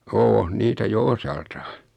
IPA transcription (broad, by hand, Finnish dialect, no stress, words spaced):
oːn niːtæ jo osɑltɑː